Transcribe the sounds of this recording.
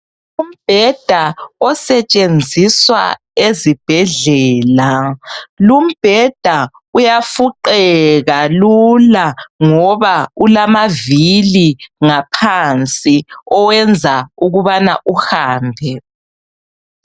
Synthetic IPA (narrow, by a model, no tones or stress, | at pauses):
um̩b̥ʱɛd̥ʱaɔsɛt͡ʃʼend͡zʱiswa̰ | ezib̥ʱɛɮɛːla | lum̩b̥ʱɛd̥ʱa | ujafuǃɛɣalulaŋɔβaulamaviliŋapʰant͡sʼiɔwɛnd͡zʱauɣuβanaʔuhaːmbʱɛ